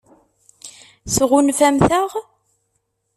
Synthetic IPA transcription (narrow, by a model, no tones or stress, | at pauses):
sʁunfæmθæʁ